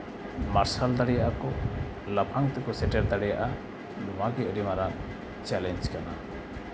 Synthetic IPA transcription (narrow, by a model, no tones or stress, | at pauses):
maɾsald̪aɽijaʔakɔ | lapʰaŋt̪ɛkɔsɛʈɛɾd̪aɽɛja̰ʔa | numaɡɛəɾimaɾa | t͡ʃɛlɛnd͡ʒkana̰